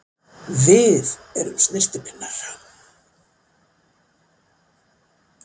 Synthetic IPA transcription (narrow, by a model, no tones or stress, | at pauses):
vɪðɛɾʏ̰msnɪrst̪ɪpʰɪnːaɾ̥